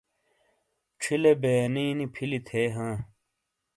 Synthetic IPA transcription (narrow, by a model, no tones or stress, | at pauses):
ʈ͡ʂʰilebeːniːnipʰilit̪ʰeːɦãː